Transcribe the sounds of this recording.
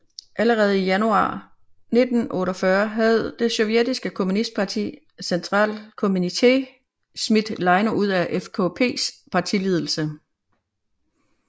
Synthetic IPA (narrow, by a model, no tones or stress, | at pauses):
ʔæləʁɛːð̞̩ˠijænuɑ̰̈ː | ne̝d̥n̩ʔɔ̽ːɾɒfɶɐɦæð̞̩ˠd̥e̝sɔ̽ʊjed̥isɡ̥əkʰo̝munisd̥̚pʰɑ̈t͡sʰḭ | sent͡sʰʁɑ̰̈ːlkʰo̝munit͡sʰe̝̰ | smid̥lɑ̈ɪnɐʔuð̞̰ˠæʔefkʰo̰pʰe̝̰ːspʰɑ̈t͡sʰilið̞ˠl̩sə